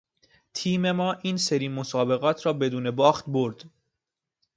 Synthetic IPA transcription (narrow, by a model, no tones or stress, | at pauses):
t̪ʰiːme̞mɒːʔiːnse̞ɾiːmosɒːbe̞ɣɒːt̪ʰɾɒːbe̞d̪uːne̞bɒːxt̪̚boɾd̪̥